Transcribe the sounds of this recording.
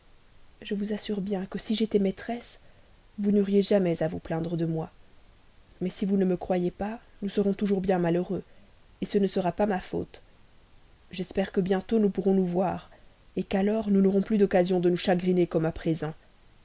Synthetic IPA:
ʒəvuzasyʁbjɛ̃kəsiʒet̪ɛmɛt̪χɛs | vunɔʁjeʒamɛzavuplɛ̃d̪ʁəd̪əmwa | mɛsivunəməkχwajepanusəʁɔ̃t̪uʒuʁbjɛ̃maløʁø | esənəsəʁapamafo̰t̪ | ʒɛspɛʁkəbjɛ̃t̪onupuʁɔ̃nuvwaːʁ | ekalɔʁnunɔʁɔ̃plyd̪ɔkazjɔ̃d̪ənuʃaɡʁinekɔmapχezɑ̃

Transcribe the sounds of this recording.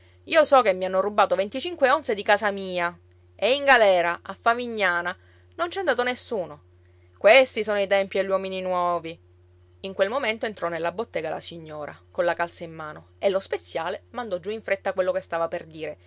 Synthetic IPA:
iːosɔkemːianːorubːaːt̪ovent̪it͡ʃiŋkweonsed̪ikaːsamiːa | eiŋɡalɛːɾaʔafːamiɲːaːna | nont͡ʃɛand̪aːt̪̬onesːuːno | kwest̪isoːnoit̪ɛmpieʎːwɔmininwɔːvi | iŋkwelmoment̪oent̪ɾɔnelːabot̪ːeːɡala̰siɲːoːɾa̰konlakalt̪saimːaːnoelːospet̪sːjaːlemand̪ɔd͡ʒːuiɱfɾet̪ːakwelːokest̪aːvaperd̪iːɾe

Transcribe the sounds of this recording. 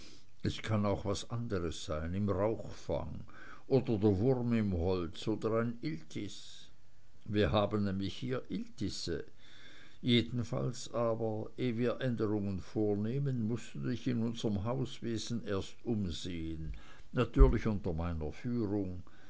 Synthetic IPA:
ɛskʰanaʊxv̥asʔandəʁəsz̥aɪnɪmʁaʊxfa̰ŋ | ʔoːdɐdeːɐvʊʁmɪmɦɔlt͡soːdɐʁaɪnɪltʰɪs | viːɐɦaːbənnɛːmlɪçhiːɐʔɪltɪsə̰ | jeːdn̩fa̰lsʔaːbɐeːviːɐʔɛndəʁʊŋənfoːɐneːmənmʊstudɪçɪnʊnzəʁəmɦaʊsveːzn̩eːɐstʔʊmzeːən | natʰyːɐlɪçʊntɐmaɪnɐfyːʁʊŋ

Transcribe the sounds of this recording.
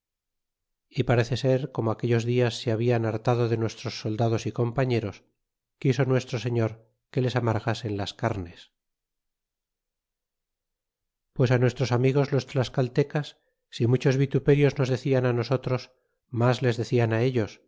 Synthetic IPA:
ipaɾe̞θe̞se̞ɾko̞moakeʎo̞zðiasːeaβ̞ianaɾt̪að̞o̞ðe̞nwe̞st̪ɾo̞sːo̞ld̪aðo̞siko̞mpaɲe̞ɾo̞s | kiso̞nwe̞st̪ɾose̞ɲo̞ɾ | ke̞le̞samaɾɣase̞nlaskaɾne̞s | pwe̞sanwe̞st̪ɾo̞samiɣ̞o̞zlo̞st̪laskalt̪e̞kasː | imut͡ʃo̞zβit̪upe̞ɾjo̞zno̞zðe̞θianano̞so̞t̪ɾo̞s | mazle̞zðe̞θianae̞ʎo̞s

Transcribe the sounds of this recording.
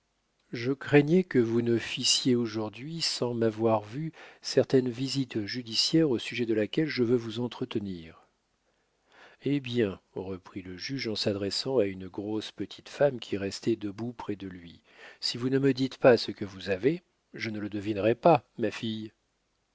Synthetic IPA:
ʒəkχɛɲjɛkəvunəfisjeoʒuʁd̪ɥisɑ̃mavwaʁvysɛʁt̪ɛnvizit̪ʒyd̪isjɛʁosyʒɛd̪əlakʲɛlʒəvøvuzɑ̃t̪χət̪əniːʁ | ebjɛ̃ʁəpχiləʒyʒɑ̃sad̪ʁɛsɑ̃aynɡʁospət̪ʰi̥t̪famkʲʰiʁɛst̪ɛd̪əbupχɛd̪əlɥi | sivunəməd̪it̪pasəkəvuzave | ʒənələd̪əvinʁɛpamafij

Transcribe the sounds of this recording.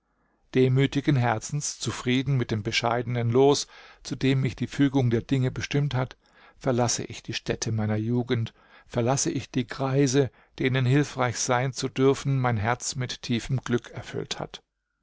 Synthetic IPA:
d̥eːmyːtɪɡənɦɛɐt͡sn̩st͡sufʁ̥iːdn̩mɪt̚d̥eːmbəʃa̰ɪdənənloːst͡sudeːmːɪçd̥iːfyːɡʊŋdeːɐdɪŋəbəʃtɪmthat | fɛɐlasə̰ʔɪçd̥iːʃtɛtʰəmaɪnɐjuːɡən̩t | fɛɐlasəʔɪçd̥iːɡʁ̥aɪzə | d̥eːnənɦɪlfʁ̥aɪçz̥aɪnt͡sudʏɐfn̩maɪnɦɛɐt͡smɪtʰːiːfəmɡlʏkʰɛɐfʏ̰ltha̰t

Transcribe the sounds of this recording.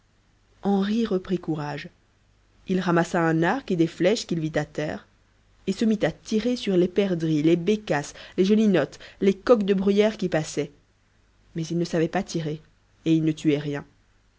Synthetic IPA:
ɑ̃ʁiʁəpχikuʁaʒ | ilʁamasaɛ̃naʁked̪eflɛʃkʲilvit̪at̪ɛ̰ːʁ | esəmit̪at̪iʁesyʁlepɛʁd̪ʁilebekasleʒɔlinɔt̪lekɔkd̪əbʁyjɛʁkʲipasɛ | mɛzilnəsavɛpat̪ʰiʁe | eilnət̪ʰyɛʁjɛ̃

